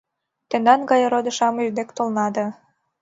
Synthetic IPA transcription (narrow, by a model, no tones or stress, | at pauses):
t̪end̪ɑnɡɑjɤɾod̪ə̆ʃɑmyrd̪ekt̪olnɑd̪ə̆